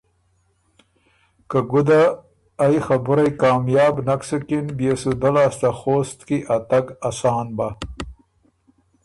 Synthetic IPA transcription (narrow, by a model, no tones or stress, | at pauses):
kaɡʊd̪aː | jxabʊɾajkɑːmjɑːbnaksukinbjesud̪alaːst̪axoːst̪kiʔat̪aɡasɑːnba